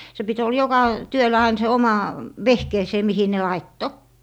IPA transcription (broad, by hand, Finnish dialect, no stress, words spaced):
se pit ol jokɑ tyølæ ɑin se omɑ ʋehkeːseˑ mihi ne lɑitːo